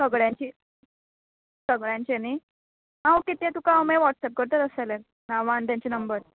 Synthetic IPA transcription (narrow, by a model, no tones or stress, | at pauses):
səɡɭjãɲt͡ɕiː | səɡɭjãɲt͡ɕeni | ɦãwkit̪ẽt̪ukãumeʋɔʈsɛp̚kəɾt̪əɾəsaleɾ | naʋaɳt̪jãɲt͡ɕenəmbəɾ